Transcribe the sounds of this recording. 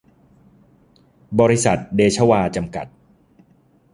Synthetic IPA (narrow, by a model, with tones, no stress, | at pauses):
bɔː˧ɾi˦˥sa˨˩t̪̚deː˧t͡ɕʰa˧˥waː˧t͡ɕa˧mka˨˩t̪̚